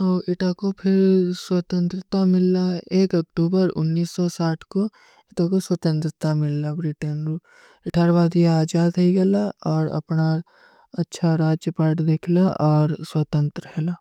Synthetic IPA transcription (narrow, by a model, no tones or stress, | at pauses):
ɔːɪʈakopʰɪɾswɐt̪ə̃nt̪ɾət̪amɪlːaeːkɐk̚ʈuːbəɾʊ̰nːiːsːɔsaːʈʰko | ɪʈakoswɐt̪ə̃nt̪ɾɪt̪amɪlːabɾɪʈənɾu | ɪʈʰaːɾʋaːd̪iaːd͡ʒaːd̪ɐiɡɐlaɔːɾɐ̰pna | ɐtːʃʰaɾaːd͡ʒjəpaːʈd̪eːkʰlaʔɔːɾswat̪ə̃nt̪ɾəɦɛlaː